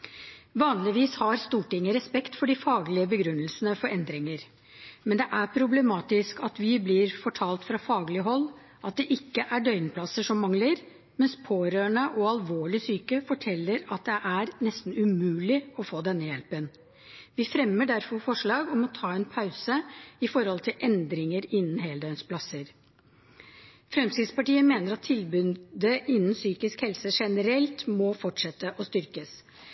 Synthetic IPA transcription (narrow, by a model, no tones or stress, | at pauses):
ʋɑːnlɪʋiːshɑɾst̪uːʈɪŋːəɾɛspɛkt̪fɔɖɪfɑːɡlɪəbəɡɾʉnːəlsənəfɔɾɛnd̪ɾɪŋəɾ | mɛnd̪ɛʔæɾpʰɾʊblɛmɑːt̪ɪskɑt̪ʋɪblɪɾfɔʈʰɑːlt̪fɾɑfɑːɡlɪəɦɔlː | ʔɑt̪̚d̪ɛʔɪkːəʔæɖœʏnpʰlɑsəʂɔmːɑŋləɾ | mɛnspʰoːɾøːəɳəʔɔɑlʋoːɭɪsyːkəfɔʈʰɛlːəɾɑt̪̚d̪ɛʔæɾnɛst̪n̩ʉmʉːlɪɔfoːd̪ɛnːəjɛlpən | ʋɪfɾɛmːəɖæɾfɔɾfɔʂɭɑːɡɔmɔt̪ʰɑːɛnpʰɑʉsəɪfɔɾhɔlt̪ʰɪlʔɛnd̪ɾɪŋəɾɪnːən̩ɦeːld̪œʏnspʰlɑsəɾ | fɾɛmsɪd̪spɑʈiːəmeːnəɾɑt̪ʰːɪlbʉnd̪əʔɪnːən̩syːkɪskhɛlsəʂɛnəɾɛlt̪mɔfɔʈʂɛt̪ːəʔɔst̪ʏɾkəs